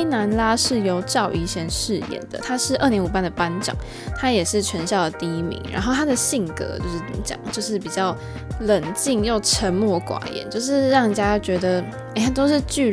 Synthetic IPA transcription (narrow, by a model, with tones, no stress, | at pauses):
na˧˥nla˥ʂɻ̩˥˩jo˧˥ʊʈ͡ʂɑ˥˨˩ʊʔi˧˥ɕjɛ˧˥nʂɻ̩˥˧jɛ̰˨˩nd̪ə̰˨˩t̪ʰa˥ʂɻ̩˥˧ʔə˥˩njɛ˧˥nu˨˩pa˥˩nd̪ə˩pa˥nʈ͡ʂɑ̰˨˩˦ŋ | t̪ʰa˥jɛ˨˩ʂɻ̩˥˩t͡ɕʰɥɛ˧˥nɕjɑ˥˩ʊd̪ə˩t̪i˥˧i˥mḭ˧˥ŋɻa̰˧˥nxo˥˩ʊt̪ʰa˥d̪ə˨ɕi˥˩ŋkɤ̰˧˥t͡ɕjo̰˥˧ʊʂɻ̩˥˩˧t͡ɕjɑ̰˨˩ŋt͡ɕjo˥˧ʊʂɻ̩˥˩pi˨˩t͡ɕjɑ˥˩ʊ | lə˨˩nt͡ɕi˥˧ŋjo˥˩ʊʈ͡ʂʰə˧˥nmwɔ˥˩kwa̰˨˩jɛ̰˧˦nt͡ɕjo˥˧ʊʂ̬ɻ̩˥˧ɻɑ˥˩ŋ˨˩t͡ɕja˥t͡ɕɥɛ˧˥d̪ə˧ | e˨˩a˥t̪o˥ʊʂɻ̩˥˧t͡ɕy˥˩